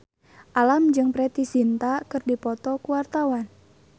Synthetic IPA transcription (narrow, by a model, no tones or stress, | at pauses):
ʔalamd͡ʒɨŋpɾɛt̪isint̪akɨrdipɔt̪ɔkuwart̪awan